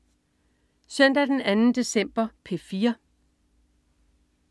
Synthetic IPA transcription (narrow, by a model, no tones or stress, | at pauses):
sœn̰d̥æd̥enænn̩d̥e̝sem̰b̥ɐpʰe̝fiːɐ